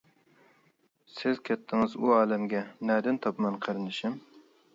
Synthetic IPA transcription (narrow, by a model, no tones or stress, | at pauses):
sɪzkʲʰɛt̪ʰːɪŋɨzuɑːlɛmɡʲɛnɛːd̪ɪnt̪ʰɑpmɑnqʰəɾɨnɨʃɪm